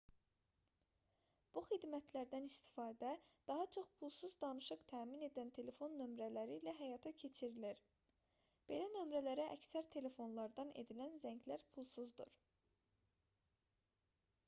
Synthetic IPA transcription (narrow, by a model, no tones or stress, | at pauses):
b̥uχid̪mæt̪ʰlæɾd̪ænist̪i̥fɑːd̪æd̪̥ɑɦɑt͡ʃʰo̞χpʰulˠsuzd̪ɑnɯʃɯqt̪ʰæːmine̞d̪ænt̪ʰe̞le̞fo̞nːø̞mɾælæɾiːlæɦæjɑt̪ʰɑcʰe̞t͡ʃʰiɾiliɾ | b̥e̞lænømɾælæɾæʔæ̰csæɾt̪ʰe̞le̞fo̞nlˠɑɾd̪ɑnḛd̪ilænzæɲɟlæɾpʰulˠsuzd̪ṵɾ̥